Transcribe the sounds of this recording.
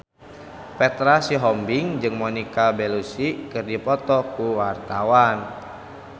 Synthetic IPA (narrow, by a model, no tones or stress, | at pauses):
pɛt̪ɾasiɦɔmbiŋd͡ʒɨŋmɔnikabɛlusikɨrdipɔt̪ɔkuwart̪awan